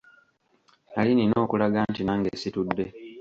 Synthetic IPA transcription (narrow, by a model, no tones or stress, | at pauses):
nalinino̞ːkulaɡaːntinaːŋɡeːsitudːe̞